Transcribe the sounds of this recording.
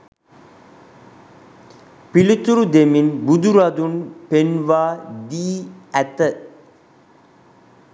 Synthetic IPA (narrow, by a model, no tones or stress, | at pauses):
pilut̪uɾud̪eminbud̪uɾad̪unpenʋaːd̪iːæt̪ə